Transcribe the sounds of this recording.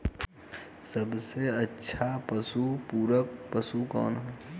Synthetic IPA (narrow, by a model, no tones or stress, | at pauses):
səbseɐtːʃʰapəsupuːɾək̚pəsukɔ̰ːnɦɛː